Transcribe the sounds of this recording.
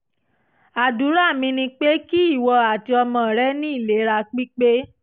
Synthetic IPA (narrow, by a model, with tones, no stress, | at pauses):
a˨du˨˦ɾa˦˨mĩ˧nĩ˧k͡pe˦ki˦i˦˨wɔ˧a˨ti˧ɔ˧mɔ̃˧˨ɾɛ˦nĩ˦i˦˨le˨˦ɾa˧k͡pi˦k͡pe˦